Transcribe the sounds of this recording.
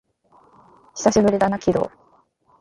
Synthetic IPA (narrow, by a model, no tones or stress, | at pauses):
çʲi̥saɕibɯ̟ɾʲid̪anakʲiɾo̰ː